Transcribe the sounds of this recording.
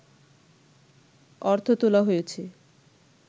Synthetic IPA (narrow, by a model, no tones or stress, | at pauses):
ɔɾt̪ʰot̪olaɦojet͡ɕʰe